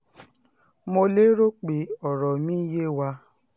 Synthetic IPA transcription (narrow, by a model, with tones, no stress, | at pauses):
mo˧le˦ɾo˦k͡pe˨ɔ˨ɾɔ˨mĩ˦je˦wa˧˦